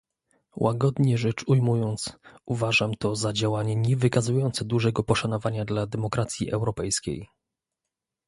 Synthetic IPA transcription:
wʔaɡɔd̪ɲɛʐɛt͡ʂujmujɔnt̪suvaʐamt̪ɔzad͡ʑawaɲɛɲɛvɘkazujɔnt̪sɛd̪uʐɛɡɔpɔʂanɔvaɲad̪lad̪ɛmɔkɾat̪sʲjḭʔɛwɾɔpɛjskʲḛj

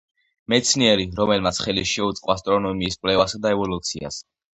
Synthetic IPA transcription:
mɛt̪sʰniɛɾiɾɔmɛlmat̪sʰχɛliʃɛut̪sʼqʼwast̪ʼɾɔnɔmiːskʼlɛvasad̪aɛvɔlut̪sʰia̰s

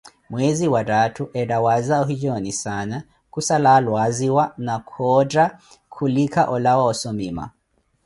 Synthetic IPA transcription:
mweziwadatʰuʔɛdawazaɔɦid͡ʒɔnisana | kusalalwaziwanakʰɔdɾa | kʰulikʰaʔɔlawaɔsɔmima̰

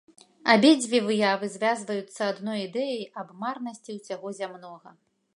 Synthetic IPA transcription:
abʲed͡zʲvʲivɨjavɨzʲvʲazvɐjut̪sːɐad̪nɔjid̪ɛjɐjɐbmarnɐsʲt͡sʲiwsʲaɣɔzʲamnɔɣɐ

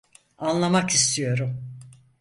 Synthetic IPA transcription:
anlˠamakist̪ʰijo̞ɾum

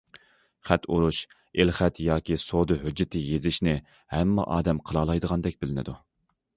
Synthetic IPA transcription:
χæt̪ʰuɾuʃ | elχɛt̪jɑːkʲisod̪ɨɦød͡ʒːɪt̪ʰɪjezɪʃnɪ | hɛmːɛ̰ʔɑːd̪ɛmqʰəlˠɑlˠɑjd̪əʁɑnd̪ɛkʲbɪlɪnɪ̰d̪u

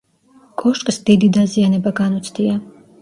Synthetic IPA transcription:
kʼɔʃkʼsd̪id̪id̪azianɛbaɡanut̪sʰd̪ia

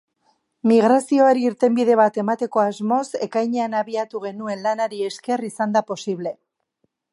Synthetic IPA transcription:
miɣ̞ɾasio̞aɾiːɾt̪e̞mbiðe̞β̞at̪e̞mat̪e̞ko̞azmo̞se̞kajɲe̞anaβiat̪uɣ̞e̞nue̞nlanaɾie̞ske̞risand̪apo̞siβle̞

